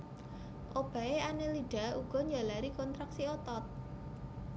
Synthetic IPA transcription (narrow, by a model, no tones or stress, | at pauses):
ʔob̥a̤eaneliɖ̥a̤uɡ̥ɔ̤ɲd͡ʒalaɾikɔnt̪ɾaksiɔt̪ɔt̪̚